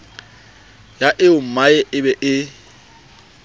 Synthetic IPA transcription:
jaʔɪʊm̩maɛʔɪbɛʔɪ

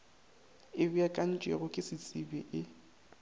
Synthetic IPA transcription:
ɪbiakʼan̩t͡ʃʼḛɣʊkʼɪsɪt͡sʼɪbɛʔɪ

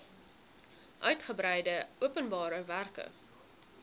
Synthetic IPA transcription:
ʔœɥtχəbɾɛjdəuəpənbɑːɾəværkə̰

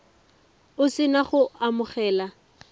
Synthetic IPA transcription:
ʊsɪnaχʊamʊχɛːla

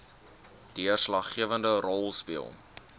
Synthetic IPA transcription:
d̥iərslɐχːiəvəndərɔlˠspiəlˠ

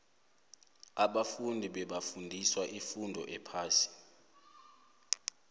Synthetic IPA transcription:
aɓafundʱiɓɛɓafundʱiswaʔifundʱɔ̰ʔɛpʰaːsi̥

